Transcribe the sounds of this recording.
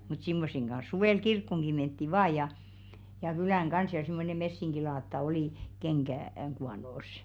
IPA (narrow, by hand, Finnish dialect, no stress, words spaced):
mut simːosːeŋ ɡ̊ɑn̞s suʋeˑl kirkːoŋɡ̊i mentːi ʋɑː jɑ jɑ kylæˑŋ ɡ̊ɑns jɑ simːone mesːiŋɡ̊ilɑːtːɑ oli keŋɡ̊æˑ ŋ kuɑnoˑsˑ